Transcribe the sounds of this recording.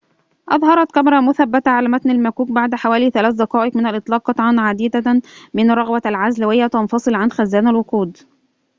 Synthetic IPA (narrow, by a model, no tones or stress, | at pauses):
ʔɑðˤɦɑɾˤɑt̪kæmɾˤɑmʊθæbːæt̪aʕalæːmæt̪nælmækuːk̚baʕd̪ħawæːliθælæːθd̪ɑqɑːʔɪqmɪnælʔɨt̪ˤlɑːq̚ːɑt̪ˤʕɑnʕad̪iːd̪amɪnɾˤɑɣwælʕazlæwɪjːæt̪ɑnfɑsˤɨlʕanxæzːæːnælwʊquːd̪